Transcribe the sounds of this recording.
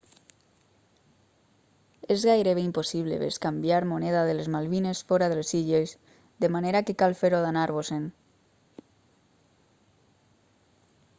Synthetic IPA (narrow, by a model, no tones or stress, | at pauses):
ezɣajɾeβeimposiβ̞lḛβeskambjaɾmoneðaðelezmalβinesfoɾaðelsiʎez | d̪emaneɾakekalfeɾoðanaɾβosen